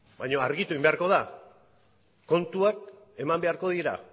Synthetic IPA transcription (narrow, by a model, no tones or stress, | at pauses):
bajɲo̞aɾɣit̪ueimbe̞aɾko̞ða | ko̞nt̪uak̚ | e̞mambe̞aɾko̞ðiɾa̰